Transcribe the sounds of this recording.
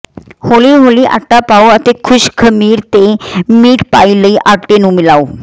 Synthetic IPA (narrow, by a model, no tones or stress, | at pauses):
holiːɦoliʔa̰ʈːapaoət̪ekʰuɕkʰəmiːɾt̪emiːʈpailəiʔaʈenũːmilaw